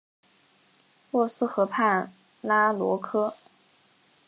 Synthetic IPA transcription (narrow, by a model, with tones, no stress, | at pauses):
lwɔ˥˧sɹ̩˥˧xɤ˧˥pʰa˥˩n | la˥lwɔ̰˧˥kʰɤ˥